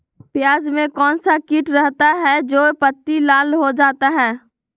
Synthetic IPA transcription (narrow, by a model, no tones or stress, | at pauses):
pjaːd͡ʒmẽkɔːnsakɪʈɾɛɦt̪aɦɛd͡ʒoːpət̪ːilaːlɦod͡ʒaːt̪aɦɛː